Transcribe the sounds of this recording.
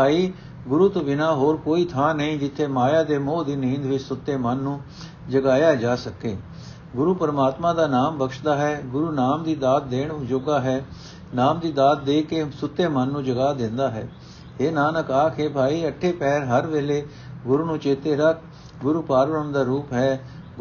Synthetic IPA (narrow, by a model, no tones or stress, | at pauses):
bʱaːiː | ɡʊɾuːt̪obɪnaːɦoːɾkoːiːt̪ʰaːnəĩːd͡ʒɪt̪ʰːeːmaːjaːd̪eːmoːd̪iːnĩːnd̪ʋɪt͡ʃsʊt̪ːeːmənːũː | d͡ʒəɡaːjaːd͡ʒaːsəkeː | ɡʊɾuːpəɾəmaːt̪mãːd̪aːnaːmbəkʃd̪aːɦɛːɡʊɾuːnaːmd̪iːd̪aːt̪̚d̪eːɳd͡ʒoɡaːɦɛː | naːmd̪iːd̪aːt̪̚d̪eːkeːsʊt̪ːeːmənːũːd͡ʒəɡaːd̪ɪ̃nd̪aːɦɛ̰ː | ɦeːnaːnəkaːkʰeːbʱaːiːəʈʰːeːpɛːɾɦəɾʋeːleː | ɡʊɾuːnũːt͡ʃeːt̪eːɾək̚ʰ | ɡʊɾuːpaːɾʋəɾəmd̪aːɾuːpɦɛː